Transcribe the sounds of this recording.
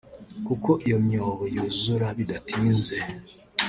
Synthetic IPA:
kuko̞ʔijomjoːβojozuɾaβidatʰiːnze̞

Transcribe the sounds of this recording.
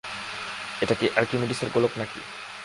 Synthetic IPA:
eʈakiʔaɾkimiɖiseɾɡoloknakḭ

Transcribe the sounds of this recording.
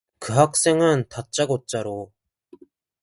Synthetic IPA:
kɯɦak̚s͈e̞ŋɯntat̚t͡ɕ͈aɡot̚t͡ɕ͈aɾo

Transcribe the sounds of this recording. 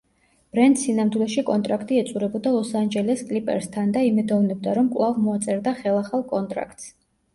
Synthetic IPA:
b̥ɾɛndt̪sinamd̪wilˠɛʃikʼɔnt̪ʼɾakʰt̪ʼiɛt̪sʼuɾɛbɔd̪alˠɔsand͡ʒɛlɛskʼlipʼɛ̰ɾst̪ʰand̪aimɛd̪ɔvnɛb̚d̪aɾɔmkʼlˠavmɔat̪sʼɛɾd̪aχɛlˠaχalˠkʼɔnt̪ʼɾa̰kʰt̪ʼs

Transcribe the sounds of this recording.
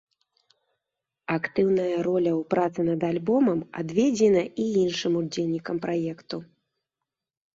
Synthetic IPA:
akt̪ɨwnɐjɐɾɔlʲɐwpɾat̪sɨnɐd̪alʲbɔmɐma̰d̪vʲɛd͡zʲɛnɐʔiinʂɨmud͡zʲelʲnʲikɐmpɾʔajɛkt̪u

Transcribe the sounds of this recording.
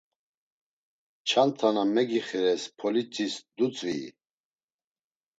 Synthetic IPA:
t͡ʃʰant̪ʰanamɛɡiχɛɾɛspʰɔlit͡sʰʼisd̪ut͡sʼvḭ

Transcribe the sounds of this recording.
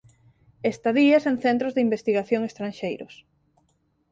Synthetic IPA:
est̪aðiɐsenθent̪ɾozðimbest̪iɣaθjoŋest̪ɾanʃejɾʊ̰s

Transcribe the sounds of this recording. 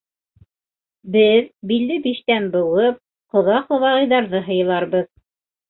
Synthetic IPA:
bɘðbilːɘbiʃt̪ænbɤ̆wɤp̚ | qŏðɑq̪ˠɤ̆wɑʁɤ̆jðɑɾðɤɦɤ̆jɤ̆lˠɑɾbɤð

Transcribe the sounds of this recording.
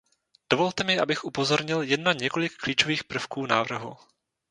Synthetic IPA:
d̥ovo̞lt̪ɛmɪʔa̰bɪxʔupo̞zo̞ɾɲɪljɛdnːaɲɛko̞lɪkːliːt͡ʃoviːxpr̩fkuːnaːvr̩ɦṵ

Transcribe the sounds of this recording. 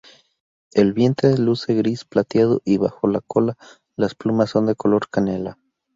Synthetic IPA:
e̞lβje̞nt̪ɾeðeluseɣɾisplat̪jað̞o̰ʔiβa̰xo̞lakʰo̞la | lasplumasːo̞nd̪e̞ko̞lo̞ɾkane̞la

